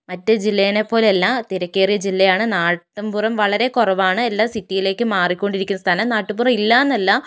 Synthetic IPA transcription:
mɐtːɨd͡ʑilːɐjɐnepːo̞ːlelːat̪iɾɐkʲːe̞ːrijɐd͡ʑilːɐjaːɳɨnaːʈːɐmpuːrɐmʋɐɭɐɾe̞korɐʋaːɳɨelːaːsitːijile̞ːkːɨmaːrikʲːo̞ɳɖiɾikʲːunːɐst̪ʰanɐmnaːʈːɨpuːrɐmilːaːenːɐlːa

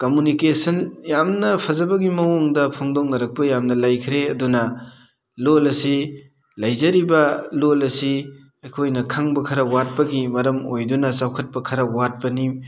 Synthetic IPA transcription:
komunikesɐnjamnɐpʰɐzɐbɐɡimɐwuŋdɐpʰoŋdoŋnɐɾɐk̚pɐjamnɐlajkʰɾeɐdunɐ | lolɐsi | lɐjzɐɾibɐlolɐsi | ɐjkʰojnɐkʰaŋbɐkʰɐɾɐwat̚pɐɡimɐɾɐmojdunɐsawkʰɐt̚pɐkʰɐɾɐwat̚pɐnim

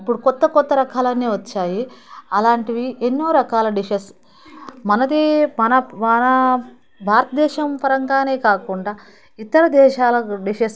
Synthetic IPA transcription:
ipːuɽukɔt̪ːɐkɔt̪ːɐɾɐkaːlɐnːiːʋɐt͡ʃːaːjiɐlaːɳʈiʋienːoːɾɐkaːlɐɖiʃɐs | mɐnɐd̪imɐnɐmɐnɐ | bʱaːɾɐt̪ɐd̪ɛːʃɐmpɐɾɐŋɡaːne̞ːkaːkuɳɖaː | it̪ːɐɾɐd̪ɛːʃaːlɐɖiʃɐs

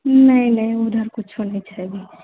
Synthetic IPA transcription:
nɐɦĩnɐɦĩʊd̪ʱəɾkʊt͡ʃʰɦoneĩt͡ʃaeɡiː

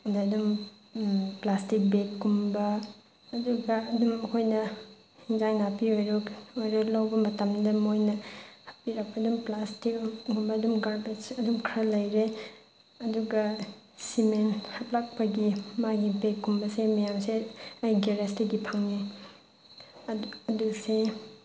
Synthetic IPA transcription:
ɐdeɐdum | plastik̚bekːumbɐː | duɡɐːdumɐkʰojnɐ | hinzajnapiojɾokojɾoklawbɐmɐtɐmdɐmojnɐhɐp̚piɾɐk̚pɐːdumplastikɡumbɐːdumɡaɾbɐsɐdumkʰɾalɐjɾe | ɐduɡɐ | simenhɐplak̚pɐɡimaɡibekːumbɐsemɐjamseajɡeɾestɐɡipʰaŋe | ɐduse

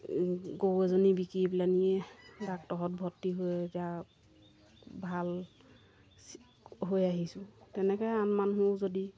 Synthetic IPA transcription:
ɡowɛzɔnibikibilaniɛbak̚tɔɦɔt̚bʱɔtːiɦotɛa | bʱal | ɦojaɦisʊ̃tɛnɛkɛjanmanɦuzodi

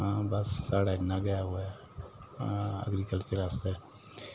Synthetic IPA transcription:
ãːbəsːaːɽaːnãɡəjaɦoɛː | ə̰ɡɾiːkəlt͡ʃəɾasɛː

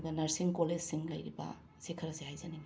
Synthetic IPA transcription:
bɐnɐɾsiŋkoled͡ʒsiŋlɐjɾibɐ̰ | sikʰɐɾɐsehajzɐnem

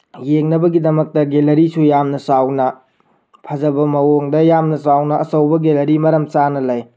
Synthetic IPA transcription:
jeŋnɐbɐɡidɐmɐk̚tɐɡelɐɾisujamnɐsawnɐ | pʰɐzɐbɐmɐwoŋdɐjamnɐsawnɐʔːsɐwbɐɡelɐɾimɐɾɐmt͡ʃanɐlɐj

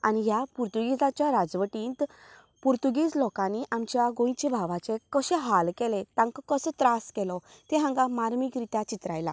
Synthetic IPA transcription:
aniɦjapuɾt̪uɡid͡zat͡ɕjaɾad͡zʋəʈĩnt̪ | puɾt̪uɡiːd͡zlɔkãniʔamt͡ɕjaɡõj̃t͡ɕebʱaʋat͡sekəɕeɦalkɛlet̪ãŋkkəsət̪ɾaskɛlɔt̪ẽɦãŋɡamaɾmikɾit̪at͡ɕit̪ɾajla̰

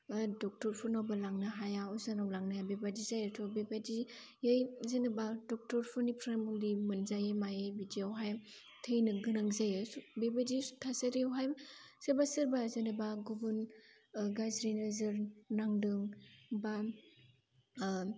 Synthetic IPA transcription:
dɔk̚tɔɾpʰunawbalaŋnɯɦajaɔzanawlaŋnajabebadizajɯtʰɔbebadi | jɯjzenɯbadɔk̚tɔɾpʰɔnipʰɾamuŋdimɯnzajemajebidiawɦajm | tʰɯjnɯɡɯnaŋzajɯbebaditʰasaɾiawɦajmsɯɾbasɯɾbazɯnɯbaɡubun | ɡazɾinɯzɯɾnaŋdɯŋba

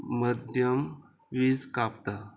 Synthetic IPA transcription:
məd̪ʱjəm | ʋid͡zkap̚t̪a

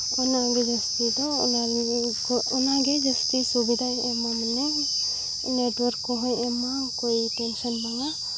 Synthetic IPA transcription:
ɔnaɡed͡ʒast̪id̪ɔṵna | kunaɡed͡ʒast̪isubid̪ʱa | ɛmamane | neʈwɔɾkːɔɦɔjɛma | kojʈensɔnbaŋa

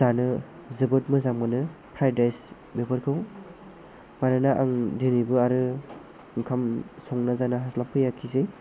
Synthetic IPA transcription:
zanɯ | zɯbɯt̚mɯzamɯnɯpʰɾajdajs | bepʰɯɾkʰɯw | manɯnaʔaŋdenibɯaɾɯ | ŋkʰamsɔŋnazanaɦaslampʰɯjakʰize

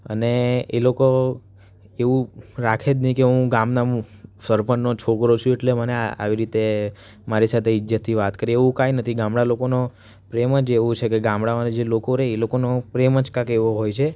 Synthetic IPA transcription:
ə̰neeloko | eʋũɾakʰed͡ʒ̪nikeɦũɡamnaũsəɾpənːot͡ʃʰokɾot͡ʃʰũeʈlemənea̰ʋiɾit̪e | maɾisat̪ʰeid͡ʒjət̪ʰːiʋat̪kəɾieʋũkajnət̪ʰiɡãmɽalokono | pɾeməd͡ʒeʋũt͡ʃʰekeɡãmɽaad͡ʒelokoɾeːlokonopɾeməd͡ʒkãkeʋoɦojt͡ʃʰe

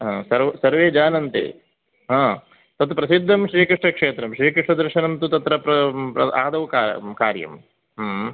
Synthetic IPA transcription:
ɦãːsɐɾʋsɐɾʋeːd͡ʒaːnɐnt̪ḛː | ɦãː | t̪ɐt̪upɾɐsid̪ʱːɐmʃɾiːkɾiʂʈɐkʂeːt̪ɾɐmʃɾiːkɾiʂʈɐd̪ɐɾʃɐnɐnt̪ut̪ɐt̪ɾɐpɾɐpɾɐaːd̪ɐʋkakaːɾjɐ̰m | ɦ

